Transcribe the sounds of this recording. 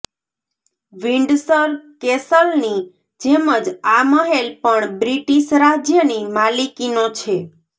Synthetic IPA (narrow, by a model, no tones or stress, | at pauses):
ʋiɳɖsəɾkesəlni | d͡ʒeməd͡ʒaməɦelpəɳbɾiʈiʃɾad͡ʒjənimalikinot͡ʃʰe